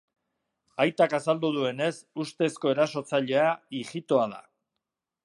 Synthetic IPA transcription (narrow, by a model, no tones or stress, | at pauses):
ajt̪akasald̪uð̞ue̞ne̞sust̪e̞sko̞e̞ɾaso̞t͡saʎe̞aiʝit̪o̞aða̰